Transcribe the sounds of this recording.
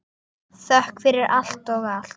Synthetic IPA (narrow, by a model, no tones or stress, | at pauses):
θœhkfɪɾɪɾʔal̥t̪ɔɣalt